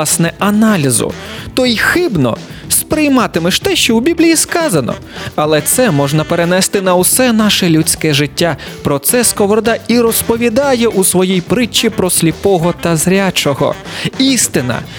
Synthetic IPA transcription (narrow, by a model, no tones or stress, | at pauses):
ɑsnɛɐnɑlʲizʊ̰t̪ɔixɪbnɔ̰spɾɪjmɑt̪ɪmɪʃt̪ɛʃt͡ʃɔwbʲiblʲijiskɑzɐnɔ̰ | ɐlˠɛt̪sɛmɔʒnɐpeɾenɛst̪ɪnɐwsɛnɑʃɛlʲut͡sʲkɛʒɪtʲːa | pɾɔt̪sɛskɔʋɔɾd̪ɑiɾɔspɔʋʲid̪ɑjɛʔusʋɔjijpɾɪt͡ʃːipɾɔsʲlʲipɔɦɔt̪ɐzɾʲat͡ʃɔɦɔ̰ist̪ɪnɐ̰